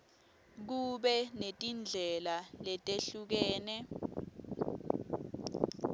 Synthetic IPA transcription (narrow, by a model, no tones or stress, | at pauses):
k̬uɓɛnetʼind͡ɮʱɛlalɛtʼeɬuk̬ɛːnɛ